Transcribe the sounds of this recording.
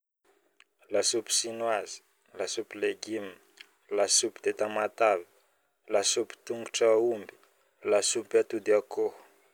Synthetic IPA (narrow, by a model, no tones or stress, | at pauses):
lasupi̥sinwazi̥ | lasupileɡimi | lasupi̥d̪̥et̪amat̪avi̥ | lasupi̥t̪uŋɡuʈ͡ʂaumbi̥ | lasupat̪ud̪iako